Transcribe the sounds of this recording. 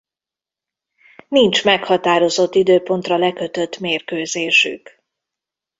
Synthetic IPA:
nint͡ʃmɛkhɒt̪aːɾo̞zo̞t̪ːid̪øːpo̞nt̪rɒlɛkø̞t̪ø̞t̪ːmeːrkøːzeːʃy̰k

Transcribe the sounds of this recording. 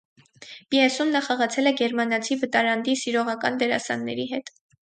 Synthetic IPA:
piɛsumnɑχɑʁɑt͡sʰɛlɛɡɛɾmɑnɑt͡sʰivət̪ɑɾɑnd̪isiɾɔʁɑkɑnd̪ɛɾɑ̰sɑ̰nːɛ̰ɾiɦɛt̪

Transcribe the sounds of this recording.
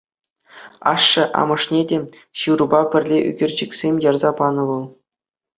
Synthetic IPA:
ɑ̰ʂːɤ̆ʔɑ̰mɤ̆ʂnʲedʲe | ɕɯrubɑpʲɘ̆rʲlʲeʔy̰ɡʲɘ̆rʲd͡ʑɘ̆kʲsʲemʲjɑrzɑpɑnɤ̆ʋɤ̆lˠ

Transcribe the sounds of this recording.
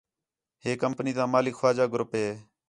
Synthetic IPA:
ɦeːkəmpniːt̪ãːmaːlɪkxaːd͡ʒaːɡɾʊpɦeː

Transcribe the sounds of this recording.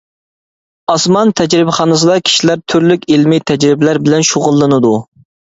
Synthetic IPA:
ɑsmɑnt̪ʰɛd͡ʒɾɪbɪχɑːnɨs̬ɨd̪ɑkʲʰi̥ʃilæɾt̪ʰyɾlykʲilmit̪ʰɛd͡ʒɾɪbɪlæɾbɪlɛnʃoʁʊlˠːɨnɨd̪u

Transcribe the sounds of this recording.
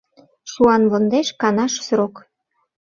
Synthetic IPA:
ʃuɑnβond̪eʃkɑnɑʃsɾok

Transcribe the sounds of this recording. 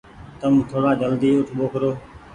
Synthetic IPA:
t̪əmt̪ʰoːɽaːd͡ʒəld̪iːʊʈʰɓoːkʰɾoː

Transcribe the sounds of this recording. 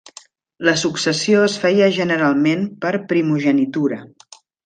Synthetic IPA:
ləsuksəsijoəsfɛjəʒənəɾalˠmenpəɾpɾimuʒənit̪uɾə

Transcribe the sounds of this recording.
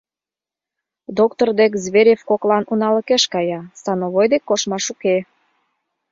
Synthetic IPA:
d̪okt̪ord̪ek̬zβeɾʲefkoklɑnunɑləkeʃkɑjɑsɑnoβojd̪ekːoʃmɑʃuke

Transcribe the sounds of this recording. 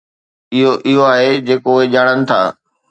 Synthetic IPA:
ɪɦoʔɪɦoaːɦed͡ʑeːkoʊɦed͡ʑaːɽ̃ənɪ̆t̪ʰa̰ː

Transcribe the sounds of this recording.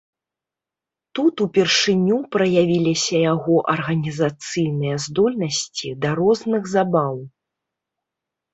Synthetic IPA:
t̪ut̪upʲɛrʂɨnʲupɾɐjavʲilʲisʲɐjaɣɔʔɐrɣɐnʲizat̪sɨjnɨjɐzd̪ɔlʲnɐsʲt͡sʲid̪ɐɾɔznɨɣzabaw

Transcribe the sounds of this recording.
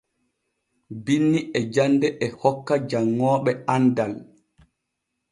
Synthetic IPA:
binːiʔɛd͡ʒandɛʔɛhɔkːad͡ʒaŋːɔːɓɛandal

